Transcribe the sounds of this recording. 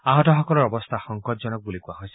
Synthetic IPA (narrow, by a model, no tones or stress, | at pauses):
aɦɔtɔɦɔkɔlɔɾɔbɔst̪ʰaxɔŋkɔt̪d͡ʒɔnɔk̚bulikuaɦɔjsi